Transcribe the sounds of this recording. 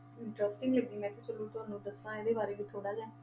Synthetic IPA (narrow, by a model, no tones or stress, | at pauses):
ɪɳʈɾəsʈɪ̃ŋɡləɡd̪iːmɛ̃ːt̪ɪsəluːt̪ʊaːnũːd̪əsãːɪd̪eːbaːɾeːɡit̪ʰoːɽaːd͡ʒɛ̃ː